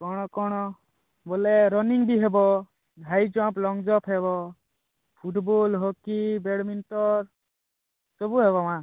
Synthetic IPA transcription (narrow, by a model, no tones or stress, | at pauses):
kɔɽ̃ɔkɔɽ̃ɔ | bolɛɾɔniŋbʱiɦɛbɔ | dʱajd͡ʒɔ̃plɔŋɡd͡ʒɔpʰɦɛbɔ | pʰuʈbolɦɔkibeɽminʈɔɾ | sɔbuɦɛβɔmã